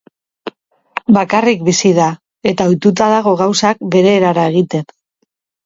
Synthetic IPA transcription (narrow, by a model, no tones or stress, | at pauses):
bakarikbisiða | e̞t̪aojt̪ut̪aðaɣ̞o̞ɣ̞awsak̚be̞ɾe̞ːɾaɾae̞ɣ̞it̪e̞n